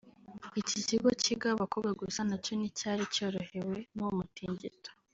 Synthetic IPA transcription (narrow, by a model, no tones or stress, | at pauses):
iciziɡociɡaβakobɡaɡusanaco̞nicaːɾico̞ːɾohe̞we̞nomutiːɲɟḭto̥